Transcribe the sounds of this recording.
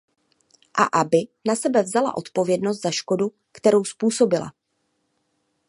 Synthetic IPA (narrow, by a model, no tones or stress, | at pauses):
ʔa̰ʔabɪnasɛbɛvzala̰ʔo̞t̪po̞vjɛdnos̬t̪z̥aʃko̞du | kt̪ɛɾo̞wspuːso̞bɪla̰